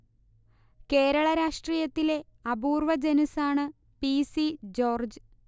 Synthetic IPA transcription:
ke̞ːɾɐɭɐɾaːʂʈriːjɐt̪ːile̞ | ɐbuːrʋɐd͡ʑenusaːɳɨ | pisid͡ʑo̞ːrd͡ʑɨ

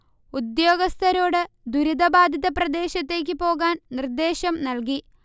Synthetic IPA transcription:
ud̪jo̞ːɡɐst̪ʰɐɾo̞ːɽɨ | d̪uɾid̪ɐbaːd̪ʱiðɐprɐd̪e̞ːɕɐt̪ːe̞ːk̬ʲːɨpo̞ːɣaːnnird̪e̞ːɕɐmnɐlki

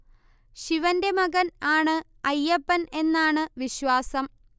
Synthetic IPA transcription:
ɕiʋɐnde̞mɐɣɐnaːɳɨ | ɐjːɐpːɐne̞nːaːɳɨʋiɕʋaːsɐm

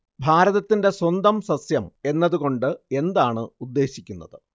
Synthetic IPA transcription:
bʱaːɾɐðɐt̪ːinde̞swɐnd̪ɐmsɐsjɐme̞nːɐðuɣo̞ɳɖɨe̞nd̪aːɳɨud̪ːe̞ːɕikʲːunːɐðɨ

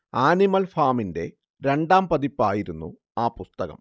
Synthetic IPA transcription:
aːnimɐlfaːminde̞ | ɾe̞ɳɖaːmpɐðipːaːjiɾunːṵ | aːpust̪ɐɣɐ̰m

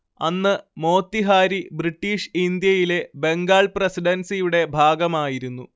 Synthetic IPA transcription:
ɐnːɨmo̞ːt̪ːiɦaːɾibriʈːiːʂind̪jɐjile̞be̞ŋɡaːɭprɐsiɖɐnsijuɽe̞bʱaːɡɐmaːjiɾunːu

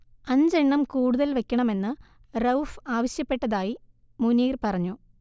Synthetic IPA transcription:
ɐɲd͡ʑeɳːɐmkuːɽuðɐlʋekʲːɐɳɐme̞nːɨ | rɐwfaːʋɐɕjɐpːe̞ʈːɐðaːji | muniːrpɐrɐɲːu

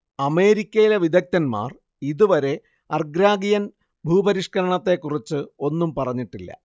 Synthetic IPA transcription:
ɐme̞ːɾikʲːɐjileʋid̪ɐk̚t̪ɐnma̰ːr | iðuʋɐɾe̞ | ɐrɡɾaːɡijɐn | bʱuːbɐɾiʂkɐɾɐɳɐt̪ːe̞kːurit͡ɕːɨo̞nːumpɐrɐɲːiʈːilːɐ̰

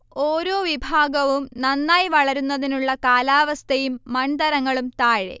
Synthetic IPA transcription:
o̞ːɾo̞ːʋibʱaːɡɐʋumnɐnːaːjʋɐɭɐɾunːɐðinuɭːɐkaːlaːʋɐst̪ʰɐjumːɐɳd̪ɐɾɐŋːɐɭumt̪aːɻḛ

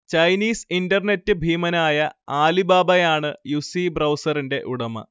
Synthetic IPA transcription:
t͡ɕɐjniːsindɐrne̞tːɨbʱiːmɐnaːjɐaːlibaːbɐjaːɳɨjusibrɐwsɐrinde̞ʔuɽɐmɐ̰

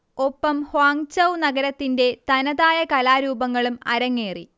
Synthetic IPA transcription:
o̞pːɐmhaːŋt͡ɕɐwnɐɡɐɾɐt̪ːinde̞t̪ɐnɐðaːjɐkɐlaːɾuːbɐŋːɐɭumɐɾɐŋːeːrḭ

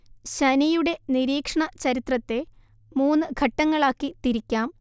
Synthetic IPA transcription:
ɕɐnɐjuɽe̞niɾiːkʂɐɳɐt͡ɕɐɾit̪rɐt̪ːe̞ | muːnːɨɡʱɐʈːɐŋːɐɭaːkːit̪iɾikʲːaːm

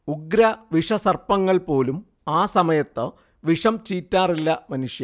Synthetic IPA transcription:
uɡɾɐʋiʂɐsɐrpɐŋːɐɭpo̞ːlum | aːsɐmɐjɐt̪ːɨ | ʋiʂɐmt͡ɕiːtːaːrilːɐmɐnuʂjɐ

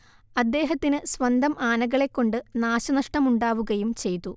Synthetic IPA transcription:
ɐd̪ːe̞ːɦɐt̪ːinɨsʋɐnd̪ʱɐmʔaːnɐɣɐɭe̞kːo̞ɳɖɨnaːɕɐnɐʂʈɐmuɳɖaːʋuɣɐjumt͡ɕe̞jt̪ːu

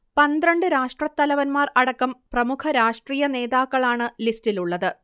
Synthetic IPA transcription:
pɐnd̪rɐɳɖɨɾaːʂʈrɐt̪ːɐlɐʋɐnmaːrɐɽɐkːɐmprɐmukʰɐɾaːʂʈriːjɐne̞ːðaːkːɐɭaːɳɨlistiluɭːɐðɨ

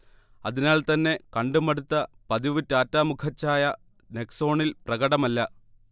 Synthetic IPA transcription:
ɐðinaːlt̪ɐnːe̞kɐɳɖumɐɽut̪ːɐ | pɐðiʋutːaːtːaːmukʰɐt͡ɕːaːjɐ | ne̞kso̞ːɳilprɐɣɐɽɐmɐlːɐ

